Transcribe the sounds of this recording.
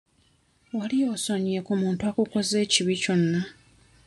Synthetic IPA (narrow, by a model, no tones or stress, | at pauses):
walijoːsoɲekumuːntuakuko̞ze̞ːciβico̞nːa